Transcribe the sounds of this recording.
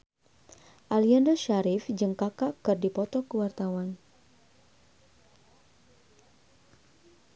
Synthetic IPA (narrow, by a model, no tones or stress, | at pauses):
ʔaliandəʃaɾifd͡ʒəŋkakaʔkɨrdipɔt̪ɔkəwart̪awan